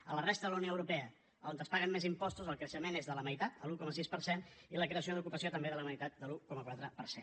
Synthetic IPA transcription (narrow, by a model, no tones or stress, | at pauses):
ələrest̪əðələwnioəwɾupɛə | əond̪əspaɣəmːezimpɔst̪uzəlˠkɾəʃəmenezðələməjt̪at̪̚d̪əlukɔməsispəɾseniləkɾeəs̬ioðukupəsiot̪əmbeðələməjt̪at̪̚d̪əlukɔməkwat̪ɾəpəɾsen